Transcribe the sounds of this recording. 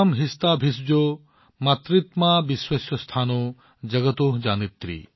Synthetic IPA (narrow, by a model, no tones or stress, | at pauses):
mɦist̪abʱis̬d͡ʒo | mat̪ɾit̪mabiswɐsjɐst̪ʰaːno | d͡ʒɐɡət̪oːɦd͡ʒaːnit̪ːɾḭ